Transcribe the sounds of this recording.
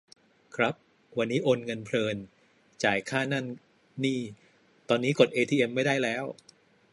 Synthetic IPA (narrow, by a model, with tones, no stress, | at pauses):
kʰɾa˦˥p̚ | wa˧nːiː˦˥ʔoː˧nŋɤ˧npʰlɤː˧n | t͡ɕaː˨˩jkʰaː˥˩na˥˩nː | iː˥˩ | t̪ɔː˧nːiː˦˥ko˨˩t̪ʔeː˧t̪ʰiː˧ʔe˧mːa˥˩jda˥˩jlɛː˦˥w